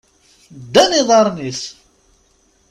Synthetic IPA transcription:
d̪ːæniðˤɑɾˤnis

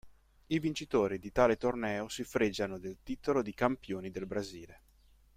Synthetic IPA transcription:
ivint͡ʃit̪oːɾid̪it̪aːlet̪ornɛːosifɾed͡ʒːanod̪elt̪it̪olod̪ikampjoːnid̪elbɾaziːle

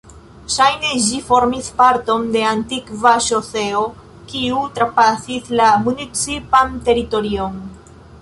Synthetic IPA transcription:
ʃajne̞ʒifo̞ɾmispaɾto̞nde̞antikvaʃose̞o | kiutɾapasislamunit͡sipante̞ɾito̞ɾio̞n

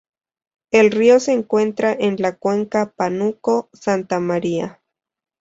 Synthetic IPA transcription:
elrioseːŋkwe̞nt̪ɾaʔenlakweŋkapanukosant̪amaɾia̰

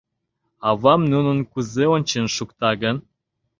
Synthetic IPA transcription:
ɑβɑmnunənkuzeonʲt͡ɕenʃukt̪ɑɣən

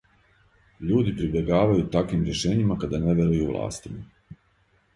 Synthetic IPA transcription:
ʎuːd̪ipɾibje̞ɡaːʋajut̪akʋimɾje̞ʃeːɲimakad̪aneʋe̞ɾujuʋlˠa̰ːst̪ima

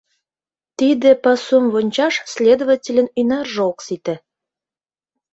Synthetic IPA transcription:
t̪id̪ĕpɑsumβonʲt͡ɕɑʃsʲlʲed̪ovətʲelʲə̆nynɑrʒəoksit̪ĕ

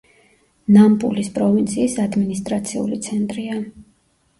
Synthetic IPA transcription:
nampʼṵlispʼɾɔvint̪sʰiːsad̪minist̪ʼɾat̪sʰiṵlit̪sʰɛnt̪ʼɾia

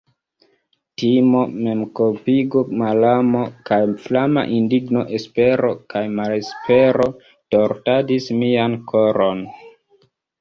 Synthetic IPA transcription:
timo̞me̞mkopiɡomalamo̞kajflama̰ʔindiɡno̞ʔe̞spe̞ɾo̞kajmalespe̞ɾo̞ | to̞ɾtadismiankʰoɾon

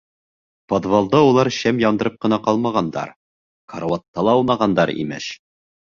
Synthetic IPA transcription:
pod̪volˠd̪ɑulˠɑɾɕæmjɒnd̪ɤ̆ɾɤp̚qɤ̆nɑqɑlˠmɑʁɑnd̪ɑ̰ɾ | kʰoɾwɑt̪ːɑlˠɑunɑʁɑnd̪ɑɾḭmɘ̰ʃ

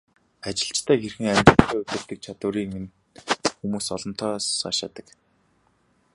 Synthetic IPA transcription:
at͡ɕɪ̆ɬt͡ɕt̪ʰæːxerxɘ̆ŋæmʲt̪ə̆t̪ʰːæːut̪ɘ̆r̥t̪ɘ̆k̚t͡ɕʰat̪ʊːɾiːŋen | xumuːsɔɮɞ̆n̥t̪ʰɔːsaːʃaːt̪ə̆k

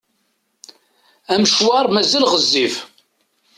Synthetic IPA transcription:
æmʃwɑɾˤmæzælʁəzːif

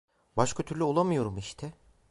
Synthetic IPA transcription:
baʃkʰat̪ʰyɾlʲyo̞lˠamɯjo̞ɾumiʃt̪ʰɛ

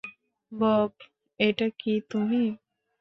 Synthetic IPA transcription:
bɔp | eʈɐkːit̪umiː

